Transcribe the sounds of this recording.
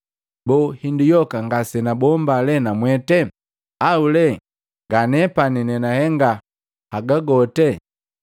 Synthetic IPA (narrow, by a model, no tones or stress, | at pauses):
bɔhindijɔkaŋɡasɛnabɔmbalɛnamwɛtɛ | aulɛ | ŋɡanɛpaninɛnahɛŋɡa | haɡaɡɔtɛ